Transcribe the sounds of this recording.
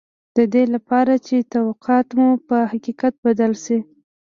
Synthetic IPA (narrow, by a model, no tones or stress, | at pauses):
d̪̥əd̪elapɑɾat͡ʃet̪awaqɑt̪mupəhaqiqat̪̚bad̪alʃi